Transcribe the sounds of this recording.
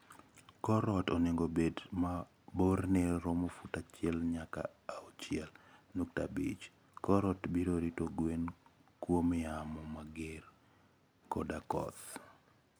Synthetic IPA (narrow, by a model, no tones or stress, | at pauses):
kɔɾɔtɔnɪŋɡobedma | borneɾɔmofutat͡ʃɪɛlɲaka̰aɔt͡ʃɪɛlnuk̚ta̰bḭt͡ʃ | kɔɾɔtbiɾoɾitoɡwenkwomɪamɔmaɡer | kɔdakɔ̰t̪